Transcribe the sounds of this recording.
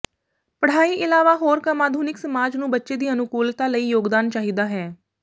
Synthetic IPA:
pəɽ̤aːiːʔɪlaːʋaːɦoːɾkəmaːd̪ʱuːnɪksəmaːd͡ʒnũːbətːʃeːd̪iːənʊkuːlt̪aːləiːjoːɡd̪aːnt͡ʃaːɦiːd̪aːɦɛː

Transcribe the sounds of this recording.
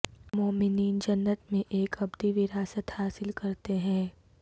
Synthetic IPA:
moːmɪniːnd͡ʒɐnːət̪mẽʔeːkɐbd̪iʋɪɾaːsət̪haːsɪlkɐɾt̪eɦɛ̃ː

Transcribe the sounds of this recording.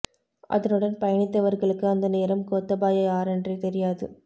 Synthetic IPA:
ʔɐ̰ðɐnɯɽɐnpɐjɐɳɪt̪ːɐʋɐɾɣɐɭɯkːɯɐnd̪ɐneːɾɐmkoːt̪ːɐbaːjɐjaːɾɛndrit̪ɛɾɪjaːðɯ

